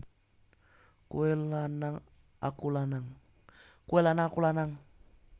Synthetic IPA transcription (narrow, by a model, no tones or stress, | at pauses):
kuɛlanaŋ | a̰kulanaŋ | kuɛlanaakulanaŋ